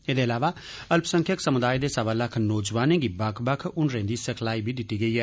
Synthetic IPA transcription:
eːd̪eːəlaːʋaː | əlpsə̃ŋkʰəksəmʊd̪aːid̪eːsaʋaːləkʰnɔːd͡ʒʋaːnẽːɡiːbəkʰbəkʰʊɳɾẽːd̪iːsəkʰlaːiːbʱiːd̪ɪt̪ːiːɡəiːɦɛː

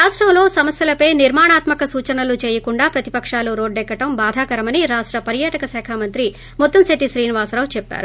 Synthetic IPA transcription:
ɾaːʂʈɾɐmlo̞ːsɐmɐsjɐlɐpɐjniɾmaːɳaːt̪mɐkɐsuːt͡ʃɐnɐlut͡ʃeːjɐkuɳɖaːpɾɐt̪ipɐkʂaːluɾo̞ːɖɛkːɐʈɐmbaːd̪ʱaːkɐɾɐmɐniɾaːʂʈɾɐpɐɾjaːʈɐkɐsɛːkʰaːmɐnt̪ɾi | mɔt̪ːɐmseʈiʃɾiːniʋaːsɾaːʋt͡ʃɛpːa̰ːɾu

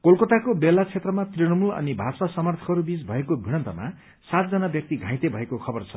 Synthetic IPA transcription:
kolkʌt̪akobelat͡sʰet̪rʌmat̪rinʌmulʌ̰nibʱasasʌmʌrt̪ʰʌ̥kʌɾubid͡zbʱʌekobʱiɽ̃ʌnt̪ʌma̰ | sat̪̚d͡zʌnabjʌk̚t̪iɡʱãj̃t̪ebʱʌekokʰʌbʌrt͡sʰʌ

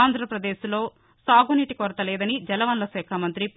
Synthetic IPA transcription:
nd̪ʱɾɐpɾɐd̪eːslo̞ː | saːɡoniʈikɔɾɐt̪ɐlɛːd̪ɐnid͡ʒɛlɐʋɐnlɐsɛːkʰaːmɐnt̪ɾip

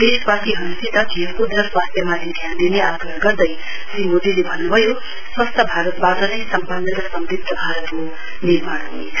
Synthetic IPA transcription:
d̪eʃpaʈiɦʌnusit̪ʌkʰijʌpud̪ʌswast̪ʰjʌmat̪ʰid̪ʱjand̪ineʔaɡɾʌɦɡʌɾd̪ʌj | sɾimod̪ilebʱʌnːubʱʌjo | swʌst̪ʰʌbʱaɾʌt̪baʈʌnʌjsʌmpʌnːʌt̪ʌsʌmɾit̪ːʌbʱaɾʌt̪ko | niɾmaɽɦunet͡sʰʌ

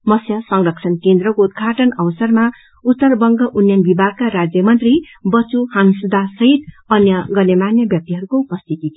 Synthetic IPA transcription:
mʌsjʌsʌŋrʌkʂʰʌnkend̪ɾʌkoud̪̚ɡʱaʈʌnʌbʌsʌrma | ut̪ːʌrbʌŋɡʌʔunjʌnbibʱaɡ̚kaɾad͡zjʌmʌnt̪ri | bʌt͡suhansud̪ʱasʌɦit̪ | ʌnjʌɡʌnemanjʌbjʌk̚t̪iɦʌɾukoupʌst̪ʰit̪i

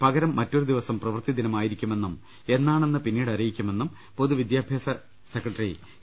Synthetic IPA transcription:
pɐɣɐɾɐmːɐtːoɾud̪iʋɐsɐmprɐʋɐrt̪id̪inɐmaːjiɾikʲːume̞nːum | e̞nːaːɳe̞nːɨpinːiːɽɐrijikʲːume̞nːum | poðuʋid̪jaːbʱjaːsɐ | sekrɐʈːɐri

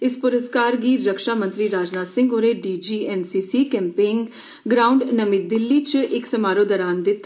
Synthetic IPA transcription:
ɪspʊɾəskaːɾɡiːɾəkʃaːmə̃nt̪ɾiːɾaːd͡ʒnaːsɪ̃ŋɡoːɾeːɖiːd͡ʒiːɛːnsiːsiːkɛ̃ːmpɪːŋɡ | ɡɾaːʊɳɖnəmɪt̪̚d̪ɪlːiːt͡ʃʔɪksəmaːɾoːd̪əɾaːnd̪ɪt̪ː

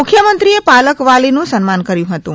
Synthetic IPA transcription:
ʊkʰjəmənt̪ɾiepaləkʋalinũsənmankəɾjũɦət̪ũ

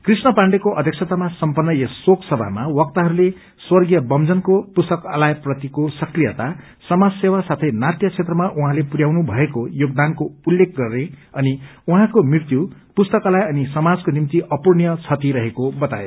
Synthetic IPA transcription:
krisnʌpaɳɖekoʔʌd̪ʱjk̚t͡sʰʌt̪amasʌmpʌnːʌjesoksʌbʱa̰mawʌk̚t̪aɦʌɾule | swʌrɡjʌbʌmd͡zʌnkopust̪ʌka̰lajprʌt̪ikosʌkrijʌt̪a | sʌmad͡zsewasat̪ʰʌjnat̪jʌt͡sʰet̪rʌmaʔuɦãlepuɾjawnubʱʌekojoɡ̚d̪ankoulːek̚ʰɡʌrneʌniuɦãkomrirt̪jupust̪ʌkalajʌnisʌmad͡zkonimt̪iʔʌpurnijʌt͡sʰʌt̪iɾʌɦekobʌt̪ae

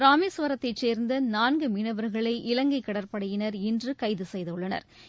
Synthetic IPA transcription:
ɾaːmisʋɐɾɐt̪ːɐɪt͡ʃːeːɾnd̪ɐnaːnɡɯmɪnɐʋɐɾɣɐɭɐɪʔɪlɐŋɡɐɪkːɐɽɐɾpɐɽɐjɪnɐɾɪndrɯkɐɪðɯsɛjðɐɯɭːɐnɐ̰ɾ

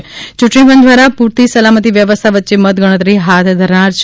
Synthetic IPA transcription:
t͡ʃuʈɳipənd̪ʱʋaɾapuɾt̪isəlamət̪iʋjəʋəst̪ʰaʋətːʃemət̪ɡəɽ̃ət̪ɾiɦat̪ʰd̪ʱəɾɳaɾt͡ʃʰ

